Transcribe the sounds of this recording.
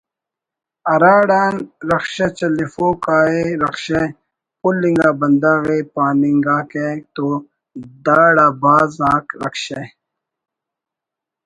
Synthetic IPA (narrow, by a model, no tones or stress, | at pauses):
ɐɾaːɽaːnɾɐkɕet͡ɕɐlifoːkaːeɾɐkɕe | pulːĩŋɡaːbɐnd̪aːɣepaːniŋɡãːket̪o | d̪aːɽaːbaːzãːkɾɐkɕe